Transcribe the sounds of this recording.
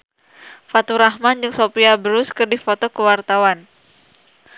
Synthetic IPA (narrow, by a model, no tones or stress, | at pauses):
fat̪uɾahmand͡ʒɨŋsopiabəɾʊskɨrdifot̪ɔkəwart̪awan